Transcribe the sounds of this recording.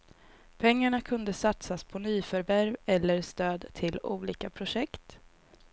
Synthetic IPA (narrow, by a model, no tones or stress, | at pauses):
pʰɛŋːaɳakʰɵnd̪əsat̪saspʰɔnyːfœɾvæɾvɛlːəɾst̪øːd̪t̪ʰɪluːliːkapʰɾʊʂɛkt̪